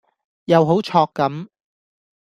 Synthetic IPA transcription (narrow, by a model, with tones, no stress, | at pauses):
jɐ˨˧wɦo˨˥wt͡ʃʰɔː˧kːɐ˨˥m